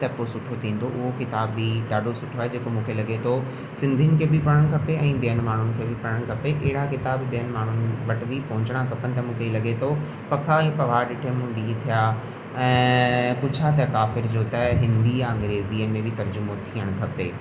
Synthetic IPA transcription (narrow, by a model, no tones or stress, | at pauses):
t̪ɛposʊʈʰot̪ʰĩːn̆d̪ʱoʔʊɦokɪt̪aːbːiɗaːɖʱosʊʈʰoaːɦed͡ʑeːkomũːkʰelɐɡet̪ʰo | sɪ̃nd̪ʱiənɪ̆kʰeːbɪpɐɽəɽ̃kʰɐpeɛ̃ːɓijənɪmaːɳ̤ʊnɪ̆kʰeːbʱɪpɐɽəɽ̃kʰɐpeʔɐɦɪɽakɪt̪aːbɓijənɪ̆maːɳ̤ʊnɪ̆ʋɐʈʋipɐ̃ɦʊ̃ɲt͡ɕɪɽ̃akʰɐpənɪ̆t̪̬ɐmũːkʰelɐɠet̪ʰo | pɐkʰaepɐʋaːɾɗɪʈʰemũːɗiːt̪ʰijaː | ɛ̃ːkʊd͡ʑʰʱat̪ɛkaːfɪɾd͡ʑoːt̪ɛɦɪ̃nd̪iaɐ̃ŋɡɾeːziəmẽbʱɪt̪ɐɾd͡ʑʊmot̪ʰiːəɽ̃kʰɐpeː